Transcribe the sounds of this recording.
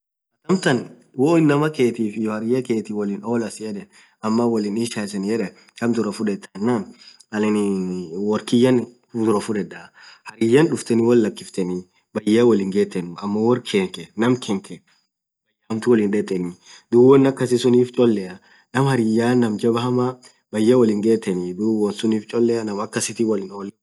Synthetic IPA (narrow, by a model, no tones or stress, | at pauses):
ɐt̪ɐmt̪ɐn | woːɪnːɐmɐkeːt̪iːfɪjɔhɐɾɪjɐkeːt̪ɪwɔlɪnoːlɐsɪjɐᶑɛ | ɐmːɐwɔlɪniʃasɛnɪjɛᶑɛ | kɐmt̪ʊɾɐfʊᶑɛt̪ːɐnːɐm | ɐlɪnwɔɾkɪjːɐn | d̪ʊɾɐfʊᶑɛᶑɐhɐɾɪjɐnᶑʊft̪ɛnɪwɔlːɐkːɪft̪ɛnɪ | bɐjːawɔlɪŋɡeːt̪ːɛnɐmːɐwɔrkʰeːŋkɛnɐmkʰɛŋkʰɛ | bɐjːamt̪ʊwɔlɪnᶑɛt̪ʼːɛnɪd̪uːwɔnːɐkːɐsɪsʊniːft͡ʃʼɔlːɛɐ | nɐmhɐɾijaːnːɐmd͡ʒɐbɐɦɐmɐ | bɐjːawɔlɪŋɡeːt̪ːɛnɪd̪uːwɔnsʊniːft͡ʃʼɔlːɛɐnɐmɐkːɐsɪt̪ɪwɔlɪnol